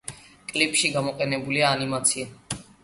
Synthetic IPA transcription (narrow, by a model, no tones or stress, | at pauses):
kʼlipʼʃiɡamɔqʼɛnɛbuliaːnimat̪sʰia